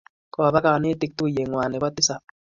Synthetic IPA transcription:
kɔ˨ba˦ka˨ne˦tɪ˦k̚t̪u˦˨je˨ŋwa˨nɛ˨wa˦t̪ɪ˦sa˨

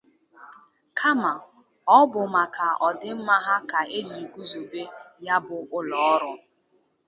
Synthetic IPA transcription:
kʰa˦ma˨ | ɔ˦bʊ˨ma˨ka˨ɔ˨dɪ˦m̩˦ma˦ɦa˦ka˨e˦li˨ɡʷu˦zo˨be˦ja˦bʊ˨ʊ˦lɔ˨ɔ˦ɾʊ˦

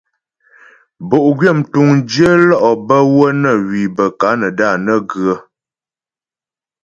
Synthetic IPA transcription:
bo˨ʔɡɥjə˦˨mtu˨ŋd͡ʒə˦lɔ˦ʔɔ˨bə˦wə˦nə˦˨wi˨bə˨ka˨˦nə˨da˦˨nə˦ɡɰə˦

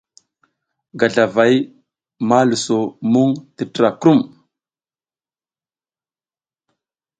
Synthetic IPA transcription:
ɡa˨ɮa˨va˨˦j | ma˦lu˨so˨mu˦ŋti˨tɾa˨kɾu˦m

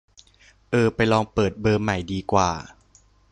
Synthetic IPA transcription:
ʔɤː˧˩pa˧jlɔː˧ŋpɤː˨˩t̪̚bɤː˧mːa˨˩jdiː˧kwa̰ː˨˩

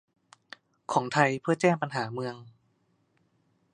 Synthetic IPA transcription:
kʰɔː˩˦ŋt̪ʰa˧jpʰɯ˥˩ɐt͡ɕɛː˥˩ŋpa˧nɦaː˩˦mɯ˧əŋ

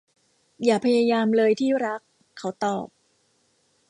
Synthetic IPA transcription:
jaː˨˩pʰa˧jaː˧jaː˧mlɤː˧jt̪ʰiː˥˩ɾa˦˥kʰː | a˩˦wt̪ɔː˨˩p̚

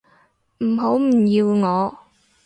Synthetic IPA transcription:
m̩˨˩ɦo˨˥wm̩˨˩jiː˧wŋɔː˨˧

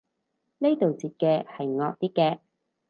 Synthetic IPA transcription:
ne˥jt̪o˨wt͡siː˨t̚kɛː˧hɐ˨jŋɔː˨˧k̚t̪iː˥kːɛː˧

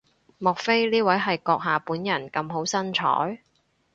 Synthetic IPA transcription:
mɔː˨˩k̚fe˥jliː˥wɐ˨˥jɦɐ˨jkɔː˧k̚ɦaː˨puː˨˥njɐ˨˩nkɐ˧mɦo˨˥wsɐ˥nt͡ʃʰɔ̰ː˨˥j

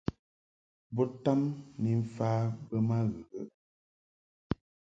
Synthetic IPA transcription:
bɔ˦ta˦mni˨ɱ̩˨faː˦bə˦ma˦ɣə˨ɣə˦

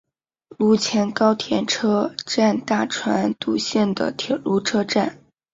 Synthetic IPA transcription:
lu˧˥˩t͡ɕʰjɛ˧˥nkɑ˥ʊt̪ʰjɛ˧˥nʈ͡ʂʰɤ˥ʈ͡ʂa˥˧nt̪a˥˩ʈ͡ʂʰwa̰˧˥nt̪u˨˩ɕjɛ˥˩nd̪ə̰˨˩t̪ʰjɛ̰˨˩lu˧˥ʈ͡ʂʰɤ˥ʈ͡ʂa˥˩n

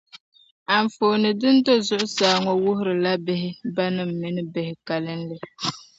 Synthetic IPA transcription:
a˨ɱ˨fo˨nɨ˨dɨ˦n˦do˦zʊ˦ʔʊ˦saː˨˦˨ŋɔ˨wʊ˦ɦʊ˦ɾɨ˨la˦bɪ˦ɦɪ˦ba˦nɨ˦m̩˨mɪ˨nɨ˦bɛ˨hɪ˨ka˨lɨ˦n̩lɨ˨

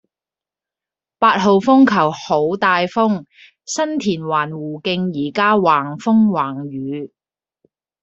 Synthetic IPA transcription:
paː˧t̚ɦo˨˧wfʊ˥ŋkʰɐ˨˩who˨˥wt̪aː˨˧jfʊ˥ŋ | sɐ˥nt̪ʰiː˨˩nwaː˨˩nwuː˨˩kɪ˧ŋjiː˨˩kaː˥waː˨˩ŋfʊ˥ŋwaː˨˩ŋjyː˨˧˦

